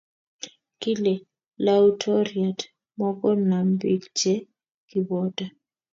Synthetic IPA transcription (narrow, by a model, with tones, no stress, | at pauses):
kʼi˦lɛ˨ | lautʰɔ˦ria˨t | mɔ˦kɔ˦na˨mbi˨kd͡ʒɛ˦ | ki˨bɔːtʼa˨